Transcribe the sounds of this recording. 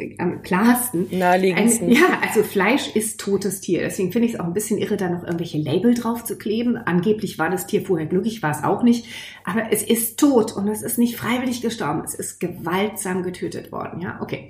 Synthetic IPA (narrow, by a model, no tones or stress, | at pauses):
ʔa̰mkʰl̥aːstn̩nnaːliːʔaɪnjaːʔalzoflaɪʃʔɪstʰːoːtəstʰiːɐdɛ̰sv̥eːɡŋ̩fɪndəɪsʔaʊxnbɪsçənʔɪʁədaːnɔχʔɪɐɡŋ̩tv̥ɛlçəlɛɪbl̩dʁaʊft͡sukl̥eːbm̩ʔa̰nɡeːplɪçv̥aːɐdastʰiːɐfoːɐheːɐɡlʏkɪçv̥aːɐɛsʔa̰ʊxnɪçt | ʔaːbɐʔɛsʔɪstʰːoːtʊntɛsɪstnɪçtfʁ̥aɪvɪlɪçɡ̥əʃtɔɐbm̩ɛsɪstɡ̥əvaltz̥aːmɡətʰøːtə̰tv̥ɔ̰ɐdn̩ja̰ːʔo̰kʰeː